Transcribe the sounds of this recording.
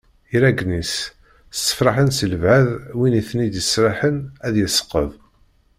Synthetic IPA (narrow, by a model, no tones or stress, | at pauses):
iɾæɡnis | sːə̥fɾˤɑħənsələvʕaðwiniθnid̪jəsɾˤɑħənæðjəsə̥qːə̰ðˤ